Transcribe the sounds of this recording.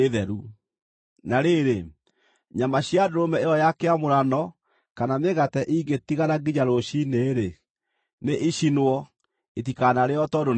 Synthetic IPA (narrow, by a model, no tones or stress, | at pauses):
eðɛɾu | naɾeɾe | ɲamaɕjadoɾomɛeɔjakeamoɾanɔ | kanameɣatɛʔiɡetiɣaɾaɡiɲaɾoɕineːɾe | neʔiɕinwɔ | etikanaɾeɔtɔdon